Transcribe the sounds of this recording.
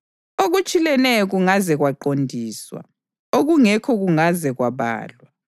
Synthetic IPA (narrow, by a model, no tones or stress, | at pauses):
oɣut͡ʃʼilɛnɛjɔɣuŋazɛɣwaǃondʱiːswa̰ | oɣuŋɛkʰɔɣuŋazɛɣwaβa̰ːlwa